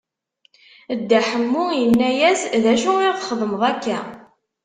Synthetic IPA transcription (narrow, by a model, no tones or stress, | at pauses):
d̪ːæħəmːʊjənːæjæsðæʃuɪʁχəðˤəməðˤækːæ